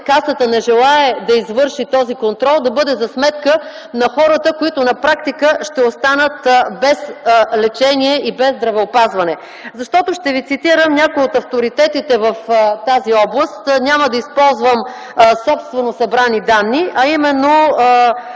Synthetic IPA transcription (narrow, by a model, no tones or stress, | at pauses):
kasət̪ənɛʒɛlˠaɛd̪ɐizvɤɾʃit̪ɔzikont̪ɾɔlˠd̪ɐbɤd̪ɛzɐsmɛt̪kə | nɐxɔɾət̪əkoit̪onɐpɾakt̪ikəʃt̪ɛost̪anət̪bɛslɛt͡ʃɛniɛʔibɛzd̪ɾɐvɛopazvɐnɛ | zɐʃt̪ɔt̪oʃt̪ɛvit̪sit̪iɾəmnʲakojot̪ɐft̪oɾit̪ɛt̪it̪ɛvəft̪aziɔblˠəst̪nʲaməd̪ɐispɔlˠzvəm | sɔpst̪vɛnosɐbɾanid̪anːiʔɐimɛnːo